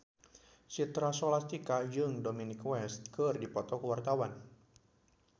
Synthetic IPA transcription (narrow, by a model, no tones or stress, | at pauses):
sit̪ɾasolast̪ikad͡ʒɨŋdominikwɛst̪̚kərdipɔt̪ɔkəwart̪awan